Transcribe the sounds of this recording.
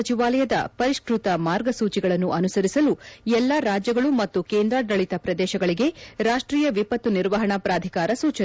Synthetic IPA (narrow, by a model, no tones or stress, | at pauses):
ɐt͡ʃiʋaːlɐjɐd̪ɐ̰pɐɾiʂkɾut̪ɐmaːɾɡɐsuːt͡ʃiɡɐɭɐnːuʔɐnusɐɾisɐluɛlːaɾaːd͡ʒjɐɡɐɭumɐt̪ːukeːnd̪ɾaːɖɾɐɭit̪ɐpɾɐd̪ɛːʃɐɡɐɭiɡe̞ɾaːʂʈɾiːjɐʋipɐt̪ːuniɾʋɐɦɐɳɐpɾaːd̪ʱikaːɾɐsuːt͡ʃɐ